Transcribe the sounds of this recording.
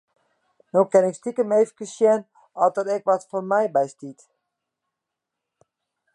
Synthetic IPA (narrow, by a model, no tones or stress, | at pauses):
nowkɛnɪkstikəmejvəkəsjɛn | ɔsdɔtɛkʋɔtfɔnmɛjbɛjstit